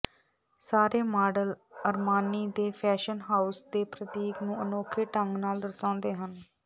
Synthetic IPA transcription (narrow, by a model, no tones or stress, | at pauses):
saːɾeːmaːɖələɾmaːniːd̪eːpʰɛːʃənɦaːʊsd̪eːpɾət̪iːknũːənoːkʰeːʈəŋɡnaːld̪əɾsãːnd̪eːɦən